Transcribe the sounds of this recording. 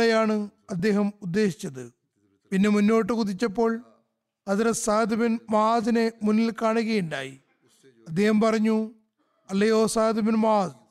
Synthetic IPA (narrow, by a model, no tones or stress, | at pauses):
ɐjaːɳɨɐd̪ːe̞ːɦɐmud̪ːe̞ːɕi̥t͡ɕːɐðɨ | pinːe̞munːo̞ːʈːɨkuðit͡ɕːɐpːo̞ːɭ | ɐðɐɾɐsaːd̪ʱɐbɐnmaːðine̞munːilkaːɳuɣɐjuɳɖaːji | ɐd̪ːe̞ːhɐmpɐrɐɲːu | ɐlːɐjo̞ːsaːd̪ʱɐbinmaːd